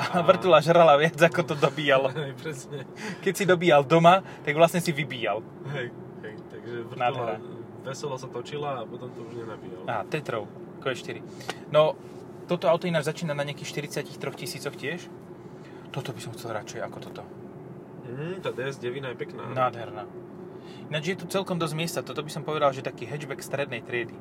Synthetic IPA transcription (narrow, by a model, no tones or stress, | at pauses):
aʋr̩t̪ulaʒɾalaʋɪad͡zakɔt̪ɔd̪ɔbiːjalɔɦɛjpɾɛsɲɛkɛcsid̪ɔbiːald̪ɔmat̪aɡʋlasɲɛsiʋibiːjal | ɦɛj | hɛjt̪aɡʒɛʋrnad̪ɦɛɾa | ʋɛsɛlɔsat̪ɔt͡ʃilaːpɔt̪ɔmt̪ɔuʒɲɛnabiːalaɦat̪ɾɛt̪ɾɔʊ | kɔɛʃt̪iɾi | nɔ | t̪ɔt̪ɔaʊt̪ɔinad͡ʒzat͡ʃiːnanaɲɪakiːxʃt̪iɾit͡sɪacixt̪ɾɔxcisiːt͡sɔxcɪɛʃ | t̪ɔt̪ɔbisɔmxt͡sɛlɾat͡ʃɛjakɔt̪ɔt̪ɔ | m̩t̪aːd̪ɛɛzɟɛʋinaɛpɛkna̰naːd̪ɦɛɾnaː | inad͡ʒʒjɛt̪ut͡sɛlkɔmd̪ɔzmɪɛst̪at̪ɔt̪ɔbisɔmpɔʋɛd̪alʒɛt̪akiːɦɛd͡ʒbɛkst̪ɾɛd̪nɛjt̪ɾɪɛd̪i